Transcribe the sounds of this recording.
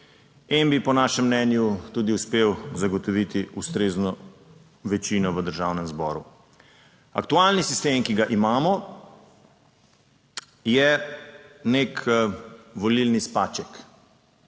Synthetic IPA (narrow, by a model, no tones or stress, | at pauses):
inbipɔnaːʃɛmːnɛnjut̪ud̪iuspewzaɡɔt̪ɔʋit̪iust̪ɾeːznɔ | ʋɛt͡ʃinɔʋəd̪əɾʒawnɛmzbɔ̰ːɾu | ɐ̰kt̪ualnisist̪eːmkiɡaʔimaːmɔ | jɛ | nek | ʋɔlilnispaːt͡ʃɛk